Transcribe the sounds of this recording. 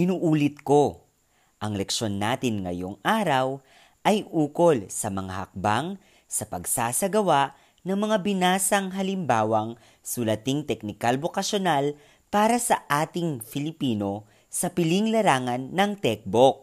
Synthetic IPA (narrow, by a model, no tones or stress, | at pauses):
ʔɪnuːʔuːlɪt̪̚ko̞ | ʔɐŋlɛkʃo̞nːaːt̪ɪnŋɐ̰jo̞̰ŋʔaːɾɐw | ʔɐjʔuːko̞lsɐmɐŋahɐ̰k̚baŋ | sɐpɐɡsaːsɐɡɐwaʔ | nɐŋmɐŋabɪnaːsɐŋɦɐlɪmbaːwɐŋ | sʊlɐt̪iŋt̪ɛk̚nɪkalbokɐʃonal | paːɾɐsɐʔaːt̪ɪŋfɪlɪpiːno̞ | sɐpɪliŋlɐɾaːŋɐnːɐŋt̪ɛk̚bok̚